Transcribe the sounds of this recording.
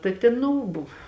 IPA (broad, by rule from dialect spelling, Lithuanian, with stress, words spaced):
tɐ ˈtʲeːn ˈnʊ ˈbʊw